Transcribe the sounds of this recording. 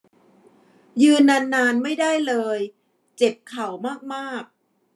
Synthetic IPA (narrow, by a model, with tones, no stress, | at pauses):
jɯː˧nːaː˧nːaː˧nma˥˩jda˥˩jlɤː˧j | t͡ɕe˨˩p̚kʰa˨˩wmaː˥˩k̚maː˥˩k̚